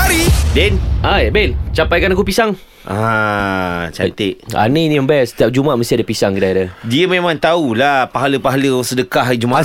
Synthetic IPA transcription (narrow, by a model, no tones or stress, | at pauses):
aɾidɛnajabɛlt͡ʃampajkanakupisaŋ | a | t͡ʃa̰t̪eʔa̰nəiniməmbajasə̥t̪iap̚d͡ʒumaʔməsadəpisaŋkədaiɾadiəmẽmãŋt̪aulapaɦaləpaɦaləsədəkaʔɦaid͡ʒuma